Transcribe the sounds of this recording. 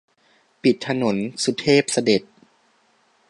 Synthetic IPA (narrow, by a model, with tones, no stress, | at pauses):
pi˨˩t̪ʰːa˧no˩˦nsu˨˧˦t̪ʰeː˥˩p̚sa˧de˨˩t̪̚